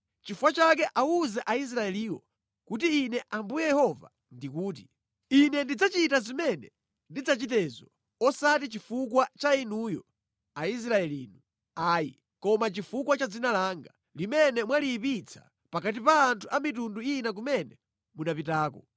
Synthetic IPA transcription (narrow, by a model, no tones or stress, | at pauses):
t͡ʃifuwat͡ʃakɛʔauzɛʔais̬ɾaɛliːwɔ̰ | kut̬iːnɛʔambujɛjɛhɔva̰ | ndikuːt̬i | inɛndid͡zat͡ʃitazimɛnɛ | ndid͡zat͡ʃitɛzɔ | ɔsatit͡ʃifukwat͡ʃainujɔ | ais̬ɾaɛlḭːnu | aːjḭ | kɔmat͡ʃifukwat͡ʃad͡zinalaːŋɡa | limɛnɛmwalipit͡sʰḁ̰ | pakat̬ipaːntʰuamitunduinak̬umɛnɛ | munapitaːkɔ